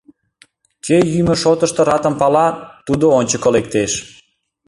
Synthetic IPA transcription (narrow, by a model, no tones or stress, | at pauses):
kʰejyməʃot̪əʃt̪ŏɾɑt̪ə̆mpɑlɑt̪ud̪oonʲt͡ɕəkəlek̚t̪eʃ